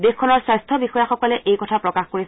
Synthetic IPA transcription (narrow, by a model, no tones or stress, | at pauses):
dexkʰɔnɔɹswajstʰɔbixɔjaxɔkɔlɛʔejkɔtʰapɹɔkaxkoɹi